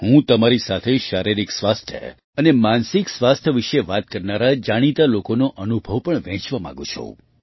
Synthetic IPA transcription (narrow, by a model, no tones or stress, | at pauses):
hũt̪əmaɾisat̪ʰeʃaɾiɾiksʋast̪ʰjə̰ | ənemansiksʋast̪ʰəʋiʃeʋat̪̚kəɾnaɾad͡ʒaɽ̃it̪alokonoʔənubʱəʋpəɳʋɛ̃t͡ʃʋamã̰ɡũt͡ʃʰõ̰